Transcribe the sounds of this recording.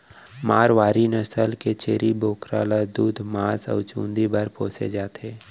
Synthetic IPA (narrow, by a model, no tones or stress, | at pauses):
maːɾʋaːɾinəsəlket͡ʃeːɾiboːkɾaːlad̪uːd̪ʱmaːsɔ̰ːt͡ʃũːnd̪ibəɾpoːsḛd͡ʒaːt̪ʰeː